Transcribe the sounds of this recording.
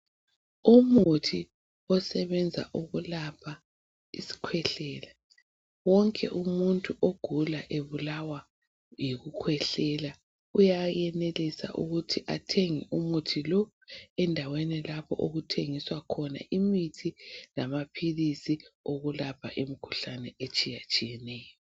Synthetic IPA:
umutʰi | ɔsɛβɛnd͡zʱa̰ʔuɣulapʰa | isi̥kʰwɛɬɛːla | wɔŋkʼɛ̰ʔumuntʼuʔoɡ̥ʱulaʔeβulawa | jiɣukʰwɛɬɛla | ujajɛnelisa̰ʔṵɣutʰiʔatʰeŋiʔumutʰilɔ | ɛndʱawɛnɛlapʰɔ̰ʔoɣutʰeŋiswakʰɔna̰ʔimitʰilamapʰilisioɣulapʰa̰ʔimikʰu̥ɬanɛet͡ʃʼijat͡ʃʼijɛnɛːjɔ

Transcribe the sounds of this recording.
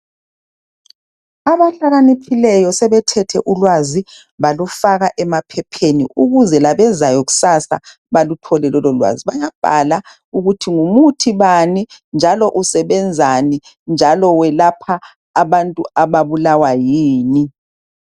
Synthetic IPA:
aβaɬaɣanipʰilɛjɔsɛβɛtʰɛtʰɛʔulwazi | βalufaɣaʔɛmapʰɛpʰenḭuɣuzɛlaβɛzajɔɣu̥sasa̰ | βalutʰɔlɛlɔlɔlwa̰ziβajab̥ʱa̰la | uɣutʰiŋumutʰiβanind͡ʒʱalɔʔusɛβɛnd͡zʱani | nd͡ʒʱalɔwɛlapʰaː | βantʼuaβaβulawajiːni

